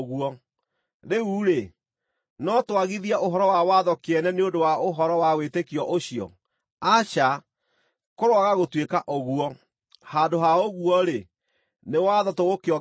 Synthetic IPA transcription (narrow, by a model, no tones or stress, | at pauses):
ɣuɔ | ɾeuːɾe | nɔtwaɣiðiaʔoɦɔɾɔwawaðɔkeɛnɛneondowaoɦɔɾɔwawetekiɔʔoɕiɔ̰ | aʃa | koɾwaɣaɣotwekaʔoɣuɔ | hadoɦaoɣuɔɾe | newaðɔtoɣokeɔ